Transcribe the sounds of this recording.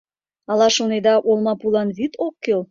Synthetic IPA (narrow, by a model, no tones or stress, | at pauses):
ɑlɑʃoned̪ɑʔolmɑpulɑnβit̪okːel